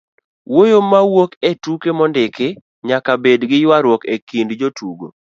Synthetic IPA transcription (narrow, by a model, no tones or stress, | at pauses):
wojomawoketukemɔndɪke | ɲakabedɡɪjwaɾwokekindd͡ʒotuɡo̰